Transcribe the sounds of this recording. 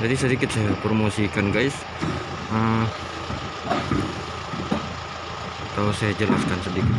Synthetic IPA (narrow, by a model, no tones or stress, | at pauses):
d͡ʒadisədikɪt̪̚sajapɾomosikanɡaɪs | ə | t̪ausajad͡ʒəlaskansədikɪt̪